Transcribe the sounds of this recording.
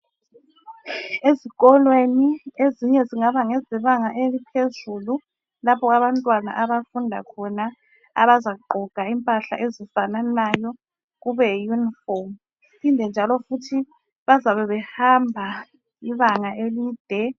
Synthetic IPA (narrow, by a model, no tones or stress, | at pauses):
eziɣɔlwenieziɲɛziŋaβaŋɛziβaŋaʔelipʰezulu | lapʰɔaβantʼwana̰ʔaβafundʱa̰kʰɔna | a̰βazaǃʱɔɡ̥ʱaimpʼaɬa̰ʔezifananajɔ | ɣuβɛjunifɔm | ipʰindʱɛnd͡ʒʱalɔfutʰi | βazaβɛβɛhambʱa | iβaŋaʔelid̥ʱɛ